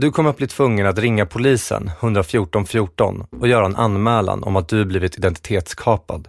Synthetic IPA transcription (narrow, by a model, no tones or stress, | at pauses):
d̪ɵkʰɔmːɾat̪̚bliːt̪ʰvɵŋːənat̪ɾɪŋːapʰʊliːsə̰nhɵnd̪ɾafjuːʈɔnfjuːʈɔ̰nɔjœːɾaɛnʔa̰nːmɛːla̰nʔɔ̰mat̪̚d̪ɵhabliːvɪt̪ʰɪd̪ɛnt̪ɪt̪ʰeːt̪skʰɑːpa̰d̪